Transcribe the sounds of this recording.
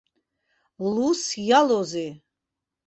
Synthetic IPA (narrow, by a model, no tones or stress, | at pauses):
lusjalɔzi